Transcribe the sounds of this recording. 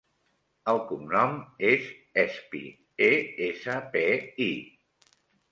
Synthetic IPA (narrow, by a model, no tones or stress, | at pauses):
əlˠkumnɔmezɛspḭ | eesəpei